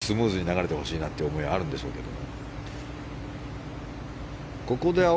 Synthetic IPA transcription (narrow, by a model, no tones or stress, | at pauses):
sɨmɯ̟ːzɨɲ̟inaɣaɾe̞t̪e̞ho̞ɕiːnat̪ːejɯomo̞iβaːɾɯ̟̃nd̪eɕo̞̰ːke̞d̪o̞̰mo̞̰ | ko̞ko̞d̪e̞a